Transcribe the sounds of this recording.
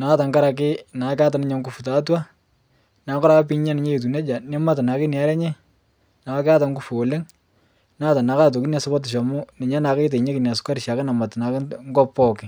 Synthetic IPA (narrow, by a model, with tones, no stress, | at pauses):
na˨˦ta˨ŋka˦ɾa˨k̬ɪ˦na˨˦ka˦ta˨nɪ˦ɲa˨ŋɡu˦fu˨ta˨˦t̬wa˦ | na˨˦kɔ˦ɾa˦ka˦p̬i˦ɲa˦nɪ˨˦ɲe˦e˨t̬u˨nɛ˦d͡ʒa˨nɪ˦ma˦ta˨na˨kɪ˦nja˨˦ɾɛ˦ɲɛ˦ | na˨˦ka˦ta˨ŋɡu˦fu˨o˨le˦ŋ | naː˦ta˨na˨˦ka˦t̬o˨ki˦na˨sʊ˦bɔ˦t̬ɪ˨ʃɔ˨mʊ˦nɪ˨ɲa˦na˨ke˦t̬e˨ɲe˦kɪ˨n˨a˨sʊ̥˦ka˦ɾɪ˨ʃa˨kɪ˦na˨ma˨tna˨kŋɡɔ˦pːɔ˦˨kɪ˨